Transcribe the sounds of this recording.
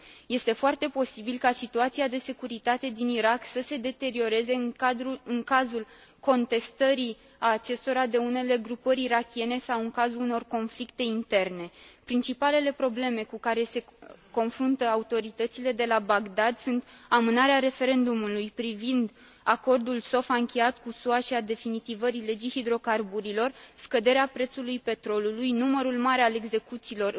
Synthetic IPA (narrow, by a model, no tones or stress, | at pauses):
je̞st̪e̞foart̪e̞po̞sibilkasit̪uat̪siad̪e̞se̞kuɾit̪at̪e̞d̪iniɾaksəse̞d̪e̞t̪e̞ɾio̞ɾe̞ze̞ad̪ɾuɨŋkazul | ko̞nt̪e̞st̪əɾi | aːt͡ʃe̞st̪o̞ɾad̪e̞une̞le̞ɡɾupəɾʲiɾakʲie̞ne̞sawɨŋkazuluno̞rko̞nflikt̪e̞int̪e̞rne̞pɾint͡ʃipale̞le̞pɾo̞ble̞me̞kukaɾe̞se̞ko̞nfɾunt̪əaut̪o̞ɾit̪ət̪sile̞d̪e̞labaɡd̪ad̪sunt̪amɨnaɾeaɾe̞fe̞ɾe̞nd̪umulujpɾivind̪ | ako̞rd̪ulso̞faɨŋkʲejat̪kusuaʃiad̪e̞finit̪ivəɾile̞d͡ʒijhid̪ɾo̞karbuɾilo̞rskəd̪e̞ɾeapɾe̞t̪sulujpe̞t̪ɾo̞lulujnuməɾulmaɾealeɡze̞kut̪siːlo̞r